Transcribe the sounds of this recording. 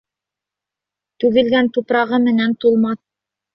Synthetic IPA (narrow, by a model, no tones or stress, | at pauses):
t̪ʉɡɘ̆lɡænt̪upɾɑʁɤmɘ̆nænt̪ulˠmɑθ